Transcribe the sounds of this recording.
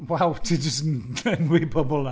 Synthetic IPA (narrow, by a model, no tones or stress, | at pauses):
wawtʰid͡ʒəsnʰɛnwibɔbɔlˠa